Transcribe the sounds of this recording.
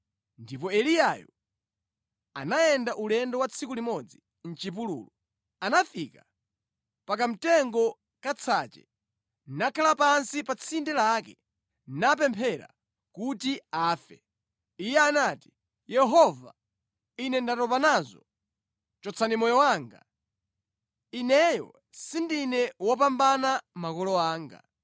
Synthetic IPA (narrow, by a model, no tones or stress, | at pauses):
ndipɔɛlijajɔ̰ | a̰naɛndaʔulɛndɔwat͡sʰikulimɔd͡zi | n̩t͡ʃip̬ulṵːlɔ | anafika | pak̬am̩tɛŋɡɔ | kat͡sʰat͡ʃɛ̰ | nakʰalapansipat͡sʰindɛlakɛ | nap̬ɛmpʰɛɾa̰ | kutiaːfɛ | ijɛanaːti̥ | jɛɦɔva̰ | inɛndatɔpanazɔ | t͡ʃɔt͡sʰanimɔjɔwaːŋɡa̰ | inɛjɔ̰ | sindinɛwɔp̬ambanamakɔlɔaːŋɡa̰